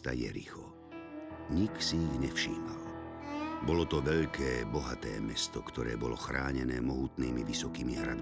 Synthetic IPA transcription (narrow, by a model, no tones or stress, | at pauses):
t̪a̰jɛ̰ɾḭxɔ | ɲiksiiɣɲɛfʃiːmal | bɔlɔt̪ɔʋɛʎkʰɛːbɔɦat̪ɛːmɛst̪ɔkt̪ɔɾɛːbɔlɔxɾaːɲɛnɛːmɔɦuːt̪niːmiʋisɔkiːmiɦɾad̪